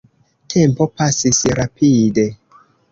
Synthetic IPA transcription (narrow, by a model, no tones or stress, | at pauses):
tʰe̞mpo̞pasisɾapʰide̞